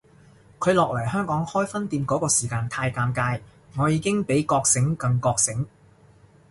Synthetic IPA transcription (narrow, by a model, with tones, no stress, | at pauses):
kʰɵ˨˧ɥlɔː˨k̚lɐ˨˩jhœː˥ŋkɔː˨˥ŋhɔː˥jfɐ˥nt̪iː˧mkɔː˨˥kɔː˧siː˨˩kaː˧nt̪ʰaː˧jkaː˧mkaː˧jŋɔː˨˧jiː˨˧kɪ˥ŋpe˨˥jkɔː˧k̚sɪ˨˥ŋkɐ˧ŋkɔː˧k̚sɪ˨˥ŋ